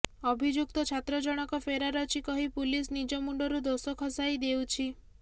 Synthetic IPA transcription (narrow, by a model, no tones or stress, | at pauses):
ɔbʱid͡ʒuk̚t̪ɔt͡ʃʰat̪ɾɔd͡ʒɔɽ̃ɔkɔfʰeɾaɾɔt͡ʃʰikɔɦipulisnid͡ʒɔmuɳɖɔɾud̪osɔkʰɔsajd̪ewt͡ʃʰi